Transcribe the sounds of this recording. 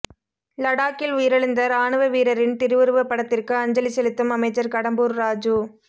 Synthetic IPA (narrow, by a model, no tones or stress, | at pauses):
lɐɽaːkɪlʊijɪɾɐɭɯnd̪ɐɾaːɳɯʋɐʋiːɾɐɾɪnt̪ɪɾɯʋɯɾɯʋɐpːɐɽɐt̪ːɪrkɯɐɲd͡ʒɐlisɛlɪt̪ːɯmɐmɐɪt͡ʃːɐɾkɐɽɐmbuːɾːaːd͡ʒu